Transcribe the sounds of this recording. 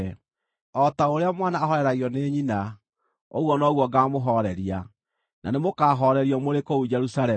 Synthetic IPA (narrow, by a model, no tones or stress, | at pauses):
ɔtaoɾeamwanaːɦɔɾɛɾaɣiɔneɲina | o̰ɣwɔnɔɣwɔɡaːmoɦɔɾɛɾia | nʔa̰nemokaɦɔɾɛɾiɔmoɾekoud͡ʒɛɾusaɾɛ